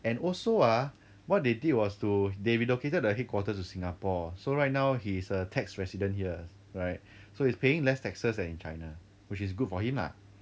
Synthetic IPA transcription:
ɛ̃nɔlsoa | wɔt̚dedid̚wɔstudeɹiloketədəɦet̚kwɔtətusĩŋapɔsoɹajt̚naʊhisətʰɛksɹɛsidə̃nhiə | ɹaɪt̚ | sohispeɪ̃ŋlɛstɛksəsdɛ̃nĩnt͡ʃa̰ɪna | wɪt͡ʃis̬ɡud̚fɔhĩmla̰

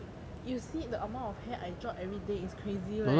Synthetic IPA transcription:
jusidəʔamãɔfhɛʔajd͡ʒɔpɛvɹideiskʰɹezi

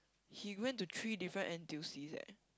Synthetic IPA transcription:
hiwɛ̃ntːutʰɹidifɹə̃nʔɛ̃ntilsizɛ̰

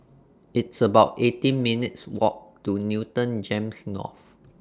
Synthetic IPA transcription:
ɪtsəbaʊtetĩnminitswɔ̰k̚tunitə̃nd͡ʒẽmsnɔ̰f

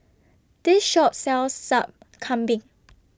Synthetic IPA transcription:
d̥isʃɔp̚sɛlsːap̚ | kʰãmbĩŋ

